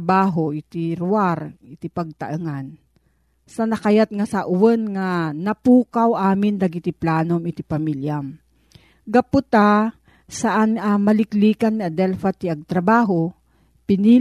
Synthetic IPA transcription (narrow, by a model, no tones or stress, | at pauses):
baːɦoʔɪt̪ɪɾʊaɾɪt̪ɪpɐɡ̚t̪ɐ̰ʔɨŋan | sɐnɐkajat̪̚ŋasaʔʊwɛnŋanɐpuːkawʔaːmɪnd̪ɐɡɪt̪ɪplaːnomɪt̪ɪpɐmiljam | ɡɐpʊt̪a | sɐʔanamɐlɪkliːkanːiɐd̪ɛlfat̪iɐɡ̚t̪ɾɐbaːɦo | pɪni